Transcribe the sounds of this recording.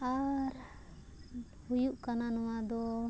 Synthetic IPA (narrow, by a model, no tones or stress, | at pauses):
aɾ | hujuʔkananuwad̪ɔ